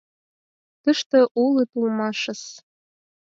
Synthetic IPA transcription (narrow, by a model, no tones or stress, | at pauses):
t̪əʃt̪ɤ̆ʔulˠit̪ulˠmɑʃɤ̆s